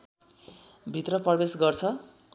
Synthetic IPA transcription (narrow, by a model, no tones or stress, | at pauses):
bʱit̪rʌprʌbesɡʌrt͡sʰʌ